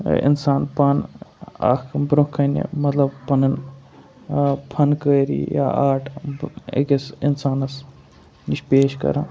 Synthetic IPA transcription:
ḭnsaːnpɐna̰kʰbɾukʰːɐnḛmɐt̪lɐbpɐnɐn | pʰɐnkəːɾḭja̰ːʔaːʈʰḛkesinsaːnɐs | niʃpeːʃkɐ̰ɾã̰ː

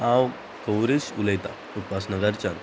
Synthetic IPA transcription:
ãw | kəwɾesuləjt̪a̰ | ut̪ʋasnəɡəɾt͡ɕan

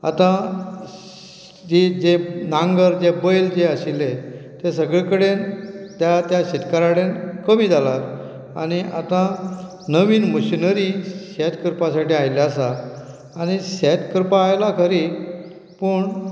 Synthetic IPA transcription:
a̰t̪ã | d͡ʑid͡ʑenãŋɡəɾd͡ʑebəjld͡zeəɕilet̪esəɡɭekəɽent̪jat̪jaɕit̪kaɾaɽenkəmiːd͡zalaɾ | a̰ɽ̃iʔa̰t̪ã | nəʋiːnməɕinəɾiɕɛt̪ʰkəɾpasaʈiːajleasaː | ñiɕɛt̪kəɾpaːjlakʰəɾi | pəːɳ

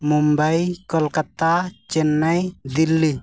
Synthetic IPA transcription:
mumbajkɔlkat̪at͡ʃɛnːajd̪ilːi

